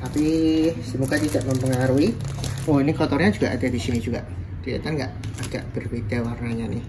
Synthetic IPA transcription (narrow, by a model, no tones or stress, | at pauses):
t̪apisimuɡat̪id̥aʔməmpəŋaɾuiwɔinikɔt̪ɔrɲad͡ʒuɡ̥aʔad̥ad̥isinid͡ʒuɡ̥a̰ʔ | d̪̥iḛt̪aŋɡa̰ʔad̥a̰ʔb̥ərwet̪awarnaɲanɪh